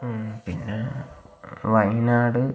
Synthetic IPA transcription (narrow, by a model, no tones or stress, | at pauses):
pinːe | ʋɐjnaːɽɨ